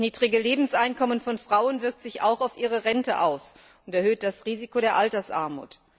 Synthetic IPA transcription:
sniːdʁɪɡəleːbm̩sʔaɪnkɔmənfɔnfʁ̥aʊənvɪɐk̚tz̥ɪça̰ʊxaʊfʔiːʁ̞əʁɛntə̰ʔaʊs | ʊntɛɐhøːt̚d̥asʁiːzikoɾeːɐʔaltɐsʔa̰ɐmṵːt

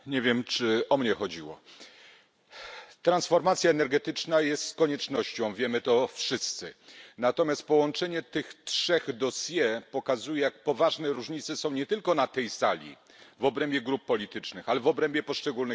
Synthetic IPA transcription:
ɲevʲjɛmt͡ʂɘɔmɲɛxɔd͡ʑiwɔ̰ | t̪ɾansfɔɾmat̪sʲjaɛnɛɾɡɛt̪ɘt͡ʂnajɛst̪skɔɲɛt͡ʂnɔɕt͡ɕɔ̃w̃vʲjɛmɘt̪ɔfʂɘst̪sɘnat̪ɔmʲjast̪̚pɔwɔnt͡ʂɛɲɛt̪ɘxtʂɛɣd̪ɔsʲjɛpɔkazujɛjak̚pɔvaʐnɛɾuʐɲit̪sɛsɔ̃w̃ɲɛt̪ɘlkɔnat̪ɛjsalʲḭ | vɔbɾɛmbʲjɛɡɾupːɔlʲit̪ɘt͡ʂnɘxalɛvɔbɾɛmbʲjɛpɔʂt͡ʂɛɡuln

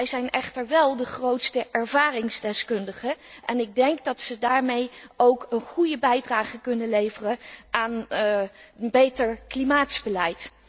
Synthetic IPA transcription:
ɛjzɛjnɛχtəɹʋɛlˠdəχrowtstəʔɛɹvaːrɪŋzdɛskɵndəχəʔɛnɪɡ̚dɛŋɡdɑtsədaːɹmejowkənχujəbɛjdraːχəkɵnənlejvərəʔaːn | bejtəɹklimaːtsbəlɛjt

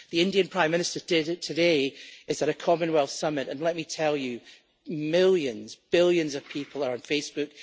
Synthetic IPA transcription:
ðiɪ̃ndiɨ̃npʰɹ̥ãɪ̃mːɪ̃nɪstə˞dɪdtʰɨdeɪzðəɾəkʰɔmə̃nwɛlˠθsʌmɪʔə̃nlˠɛʔmitʰɛlˠjɨ | mɪlˠjə̃nzbɪlˠjə̃nzʌv̥pʰipʰl̩ˠə˞ə̃nfesb̥ʉk̚

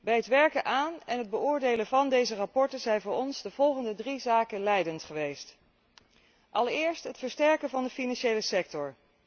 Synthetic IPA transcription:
bɛjɦətʋɛɹkənʔaːnɛnɦəd̚bəʊːɹdejlənvɑndejzərɑpɔɹtənzɛjnvʊːɹɔnzdəv̥ɔlˠχəndədrizaːkəlɛjdəntχəʋejst | ʔɑlˠɪːɹstɦətfəɹstɛɹkəvɑndəfinɑnʃejləsɛk̚tɔɹ

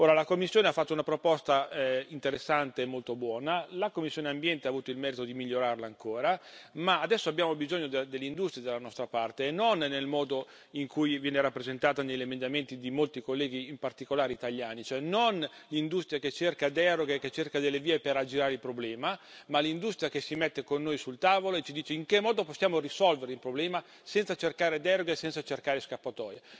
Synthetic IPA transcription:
oːɾalakomːisːjoːneafːat̪ːounapɾopɔst̪aint̪eɾesːant̪eːmːolt̪obwɔːnalakomːisːjoneambjɛnt̪eaːvuːt̪oilmɛːɾit̪od̪imiʎːoɾarlaːŋkoːɾamaːd̪ɛsːoabjaːmobizoɲːod̪ed̪elːeind̪ust̪ɾijad̪elːanɔst̪ɾapart̪enːonːelmɔːd̪o | iŋkʰujvjɛːneɾapːɾezent̪aːt̪anejʎːemend̪ament̪id̪imolt̪ikolːɛːɡiːmpart̪ikolaːɾeit̪aʎjaːnit͡ʃoɛnonlind̪ust̪ɾijaket͡ʃːerkad̪ɛɾoɡeket͡ʃːerkad̪elːeviːepeɾad͡ʒiɾaːɾeilpɾoblɛːmamalind̪ust̪ɾijakesimet̪ːekonːoːjsult̪aːvoloet͡ʃid̪iːt͡ʃeiŋkemːɔːd̪oposːjaːmorisɔlveɾeilpɾoblɛːma | sɛnt̪sat͡ʃerkaːɾed̪ɛɾoɡesɛnt̪sat͡ʃerkaːɾeskapːat̪ɔːja

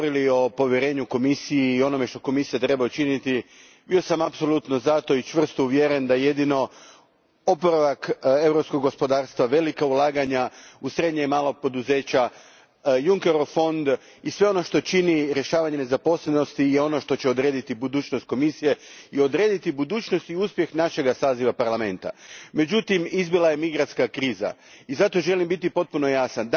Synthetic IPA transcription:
ooɾilio̞po̞ʋjeɾe̞ːɲuko̞misijiːo̞no̞me̞ʃt̪o̞ko̞misijat̪ɾe̞baut͡ʃinit̪i | biosamapso̞lˠut̪no̞zat̪o̞it͡ʃʋr̩st̪ouʋjeɾend̪ajeje̞d̪ino̞ | opoɾaʋake̞wɾo̞psko̞ɡɡo̞spo̞d̪aːɾst̪ʋaʋe̞likaulˠaːɡaɲausɾe̞d̪ɲeimaːlˠo̞ɡ̚po̞d̪uze̞ːt͡ɕa | juŋkeɾofo̞nd̪ | isʋe̞o̞no̞ʃt̪o̞t͡ʃiniɾje̞ʃaːʋaɲe̞nezapo̞sleno̞st̪ijeo̞no̞ʃt̪o̞t͡ɕe̞o̞d̪ɾe̞ːd̪it̪ibud̪uːt͡ʃnost̪̚ko̞misije̞iod̪ɾe̞ːd̪it̪ibud̪uːt͡ʃno̞st̪iuspje̞xnaʃe̞ɡasaːziʋapaɾlame̞nt̪a̰me̞d͡ʒut̪imizbilˠaje̞miɡɾant̪skakɾiːza̰izat̪o̞ʒe̞limbit̪ipo̞t̪̚puno̞jasand̪

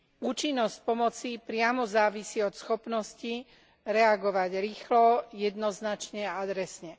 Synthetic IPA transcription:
uːt͡ʃinːɔsc̚pɔmɔt͡sipɾɪamɔzaːʋisiɔt̪sxɔpnɔsci | ɾɛaɡɔʋaɟɾiːxlɔjɛd̪nɔznat͡ʃɲɛaad̪ɾɛsɲɛ

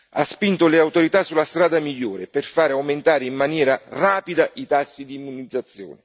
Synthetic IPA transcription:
a̰spint̪oleawt̪oɾit̪asːulːast̪ɾaːd̪amiʎːoːɾeperfaːɾeawment̪aːɾeimːanjɛːɾaraːpid̪aʔit̪asːid̪iːmːunid̪zːat̪sːjo̰ːnɪ

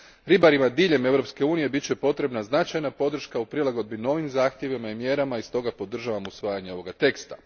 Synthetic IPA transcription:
ɾibaɾimad̪iːʎe̞me̞ʋɾo̞pske̞uːnije̞bit͡ɕe̞po̞t̪ɾe̞bnaznat͡ʃajnapo̞d̪r̩ʃkaupɾilˠaɡo̞d̪bino̞ːʋimzaːxt̪je̞ʋimaimje̞ɾamaist̪o̞ɡapo̞d̪r̩ʒaʋamusʋaːjaɲe̞o̞ʋo̞ɡat̪e̞kst̪a

